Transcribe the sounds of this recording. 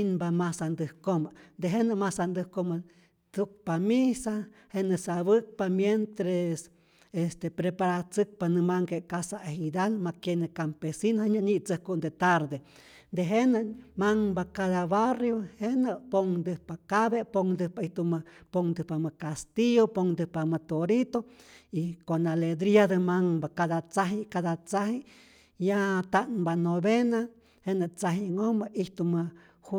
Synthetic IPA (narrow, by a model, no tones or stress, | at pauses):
nbamasand̪ɨhkomand̪eɦenɨmasand̪ɨhkoma | t̪uk̚pamisa | henɨsaβɨk̚pamjent̪ɾes | est̪epɾepaɾat͡sɨk̚panɨmaŋkekasaeɦid̪almakjenɨkampesinheɲaɲit͡sɨhkund̪et̪aɾd̪e | nd̪eɦenamaŋbakaðaβarjohenəʔpoŋd̪ɨhpakaβepoŋd̪ɨhpaiht̪umpoŋd̪ɨhpamɨkast̪iopoŋd̪ɨhpamɨt̪oɾit̪oikonaled̪ɾiad̪ɨmaŋbakaðat͡saɦikaðat͡sahi | jat̪aŋbanoβena | henət͡saɦiŋombaʔiht̪umɨ | hu